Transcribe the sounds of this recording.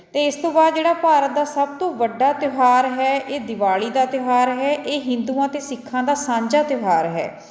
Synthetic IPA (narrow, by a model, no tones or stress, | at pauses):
t̪eːɪst̪õːbaːd̪̚d͡ʒeːɽaːpaːɾət̪̚d̪aːsəb̚t̪õːʋəɖːaːt̪ɪʋaːɾɦɛːʔeːd̪ɪʋaːɭiːd̪aːt̪ɪʋaːɾɦɛːʔeːɦɪ̃nd̪uːãːt̪eːsɪkʰːãːd̪aːsãːɲd͡ʒaːt̪ɪɦaːɾɦɛ̰ː